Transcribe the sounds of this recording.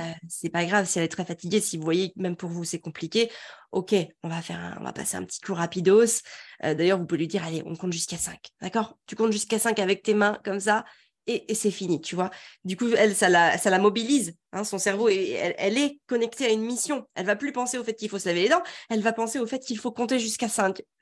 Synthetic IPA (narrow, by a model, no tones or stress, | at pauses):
øsɛpaɡʁavsiɛlɛt̪χɛfat̪iɡʲesivuvwajemɛmpuʁvusɛkɔ̃plikʲeokʲeɔ̃vafɛ̰ʁɛ̰̃ɔ̰̃va̰pa̰seɛ̰̃pət̪ʰi̥kuʁapid̪osø̰d̪ajœʁvupuvelɥid̪iʁaleʔɔ̰̃kɔ̃t̪ʒyskasɛ̃kd̪akɔʁt̪ykɔ̃t̪ʒyskasɛ̃kavɛk̚t̪emɛ̃kɔmsa | eːsɛfinit̪ʰyvwad̪ykuɛlsalasalamɔbilizɛ̃sɔ̃sɛʁvoeɛ̰lʔɛlɛkɔnɛkt̪eaynmisjɔ̃ɛ̰lvaplypɑ̃seofɛt̪̚kʲilfosəlaved̪ed̪ɑ̃ɛlvapɑ̃seofɛt̪̚kilfokɔ̃t̪eʒyskasɛ̃k